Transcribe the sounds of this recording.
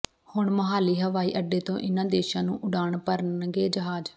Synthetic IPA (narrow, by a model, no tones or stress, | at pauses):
hʊɳməɦaːliːɦəʋaːḭːʔəɖːeːt̪õːʔɪnãːd̪eːʃãːnũːʔʊɖaːɳpəɾənɡeːd͡ʒəɦaːd͡ʒ